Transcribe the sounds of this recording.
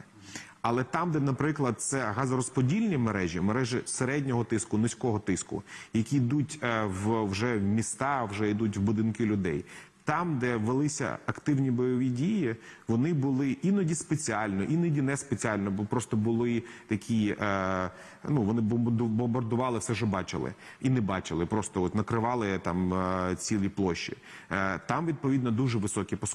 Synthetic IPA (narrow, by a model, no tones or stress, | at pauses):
ɐlˠɛt̪ɑmd̪ɛnɐpɾɪklˠɐd̪̚t̪sɛɦɑzɐɾɔspɔdʲilʲnʲimeɾɛʒʲimeɾɛʒɪseɾɛdʲnʲɔɦɔt̪ɪskʊnʊsʲkɔɦɔt̪ɪskʊ̰jɐkʲid̪utʲwwʒɛwmʲist̪ɑwʒɛid̪utʲwbʊd̪ɪnkɪlʲʊd̪ɛ̰j | t̪ɑmd̪ɛʋelˠɪsʲɐ̰ɐkt̪ɪwnʲibɔjɔʋʲidʲijiʋɔnɪbʊlˠɪʔinɔdʲispet͡sʲiɑlʲnɔʔinɔdʲinɛspet͡sʲiɑlʲnɔbɔpɾɔst̪ɔbʊlˠɪt̪ɐkʲʰi | nuʋɔnɪbɔmd̪bɔmbɐrd̪ʊʋɑlˠɪfsɛʒɛbɑt͡ʃɪ̰lˠɪ̰ | inɛbɑt͡ʃɪlˠɪpɾɔst̪ɔɔt̪nɐkɾɪʋɑlˠɪt̪ɑmt͡sʲilʲˠiplˠɔʃːḭ | t̪ɑmʋʲid̪̚pɔʋʲid̪nɔd̪uʒɛʋɪsɔkʲipɔs